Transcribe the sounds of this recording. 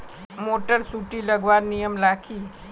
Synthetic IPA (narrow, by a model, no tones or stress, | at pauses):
moːʈəɾsuʈiləɡʋaːɾnijəmlaːkʰi